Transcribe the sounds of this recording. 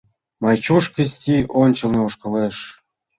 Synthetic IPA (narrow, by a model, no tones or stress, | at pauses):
mɑjt͡ɕuʃkəsʲtʲiʔonʲt͡ɕɤ̆lˠnɤoʃkɤ̆leʃ